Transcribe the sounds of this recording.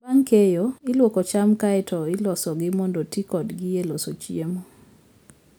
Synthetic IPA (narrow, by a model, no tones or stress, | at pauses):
aŋkejoɪlwokɔt͡ʃamkaɛtʰɔɪlɔsɔɡɪmɔndotikɔdɡɪelosot͡ʃjiemo